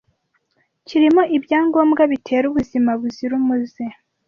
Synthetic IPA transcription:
ciɾimoʔibjaːŋɡo̞ːmɡaβitʰe̞ːɾuβuzimaβuziɾumuze

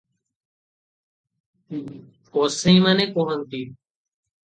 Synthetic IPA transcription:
oːsĩːmaːnẽːkõːɦənt̪iː

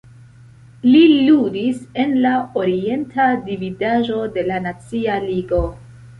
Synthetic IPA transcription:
liludise̞nlaoɾie̞ntʰadividaʒo̞de̞lanat͡sialiɡo̞

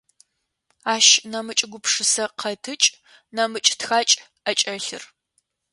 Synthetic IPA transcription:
aːʃnɐmɨt͡ʃʼɪɡʷʊpʂɨsɐqʰɐtʰɨt͡ʃʼ | nɐmɨt͡ʃʼtxaːt͡ʃʼ | ɐt͡ʃʼɐɬɨr

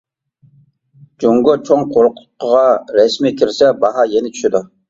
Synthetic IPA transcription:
d͡ʒoŋɡʊt͡ʃʰoŋqʰoɾʊqlˠʊqːəʁɑɾɛsmikʲiɾsɛbɑɦɑjɛnɪt͡ʃʰy̥ʃɪd̪u

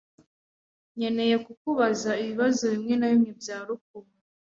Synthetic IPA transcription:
ɲe̞ne̞je̞kukuβazaiβiβazo̞βimŋenajimŋebjaːɾuk̚uma

